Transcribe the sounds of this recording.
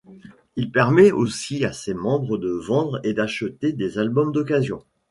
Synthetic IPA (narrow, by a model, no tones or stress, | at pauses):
ilpɛʁmɛosiasemɑ̃bʁəd̪əvɑ̃d̪ʁed̪aʃət̪ed̪ezalbɔmd̪ɔkazjɔ̃